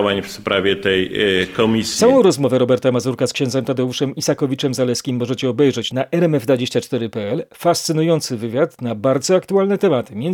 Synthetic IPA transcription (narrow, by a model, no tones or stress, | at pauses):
vaɲfspɾavʲjɛt̪ɛjkɔmʲissawɔ̃w̃ɾɔzmɔvɛɾɔbɛɾt̪amazuɾkaskɕɛnd̪zɛmt̪ad̪ɛuʂɛmisakɔvʲit͡ʂɛmzalɛskʲimːɔʐɛt͡ɕɛɔbɛjʐɛt͡ɕnaʔɛɾɛmɛvd̪vad͡ʑeɕt͡ɕat͡ʂt̪ɛɾɘpɛɛlfast̪sɘnujɔnt̪sɘvɘvʲjat̪nabaɾd̪zɔakt̪ualnɛt̪ɛmat̪ɘmʲjɛn